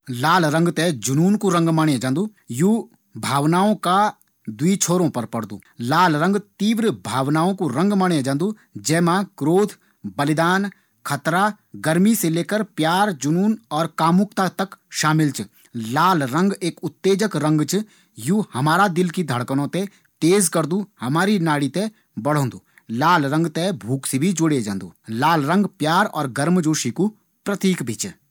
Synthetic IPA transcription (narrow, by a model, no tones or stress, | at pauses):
laːlɾɐ̃ŋɡt̪ed͡ʒʊnuːnkoɾɐ̃ŋɡmaːɳjẽd͡ʒãːnd̪uːjuː | bʱaːʋnaːõka | d̪wit͡ʃʰoːɾõpɐɾpɐɽd̪ṵːlaːlɾɐ̃ŋɡt̪iːʋɾəbʱaːʋnaːõkoɾɐ̃ŋɡmaːɳ̃jẽd͡ʒãːnd̪u | d͡ʒɛːmãkɾoːt̪ʰ | bɐlɪd̪aːn | kʰɐt̪ɾa | ɡɐɾmiseleːkəɾpjaːɾd͡ʒʊnuːnɔːɾkaːmʊkt̪at̪ɐkʃaːmɪlt͡ʃ | laːlɾə̃ŋɡeːkʊt̪ːeːd͡ʒəkɾə̃ŋɡt͡ʃ | juːhɐmaːɾad̪ɪlkid̪ʱəɽkənõt̪e | t̪eːzkɐɾd̪uhɐmaːɾinaːɽit̪e | bɐɽ̤õːnd̪uː | laːlɾə̃ŋɡt̪ebʱuːksebʱid͡ʒoɽed͡ʒə̃ːnd̪uːlaːlɾə̃ŋɡpjaːɾɔ̰ːɾɡɐɾmd͡ʒoːʃiku | pɾət̪iːkbʱit͡ʃ